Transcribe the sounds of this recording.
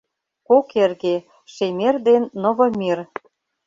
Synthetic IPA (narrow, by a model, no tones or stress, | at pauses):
kokerɣe | ʃemerd̪enːɤ̆vɤ̆mir